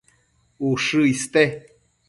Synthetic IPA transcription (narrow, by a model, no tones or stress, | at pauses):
uʂɨist̪e